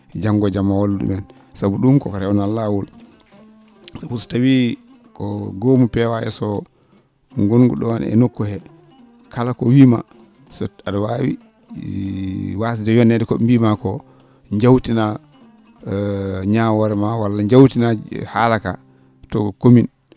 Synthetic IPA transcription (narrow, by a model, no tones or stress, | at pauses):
d͡ʒaŋɡɔd͡ʒamːawalɗṵmɛn | sabuɗumkɔ̰kɔɾɛwɔnalːawul | sɔfusu̥tawi | kɔɡomupɛwaɛ̰sɔ | ŋɡonɡṵɗɔnɛ̰nokːɔhɛ | kalakɔwiːma̰ | sɔadɔwawḭ | was̬idɛjɔnɛdɛkɔɗumbimakɔ | ɲd͡ʒawtina | ɲawɔɾɛmawalːaɲd͡ʒawtinahalaka̰ | tɔkomin